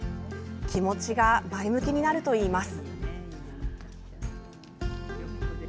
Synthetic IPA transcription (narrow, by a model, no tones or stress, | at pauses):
kʲʰimo̞t͡ɕiɡamaemɯ̟kʲiɲ̟inaɾɯ̟t̪o̞iːmasɨ̥